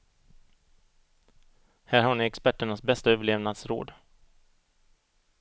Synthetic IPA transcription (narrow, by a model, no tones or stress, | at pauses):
hæːɾhaɳɪɛkspæʈːəɳasbɛst̪aøːvəɭeːvnad̪sɾo̰ːd̪